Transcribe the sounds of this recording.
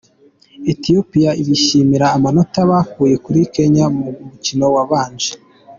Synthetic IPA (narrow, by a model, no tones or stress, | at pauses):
etijopijaiβiʃimiɾaːmano̞taβakuːje̞kuɾike̞ɲamumucino̞waβaːnd͡ʒe̥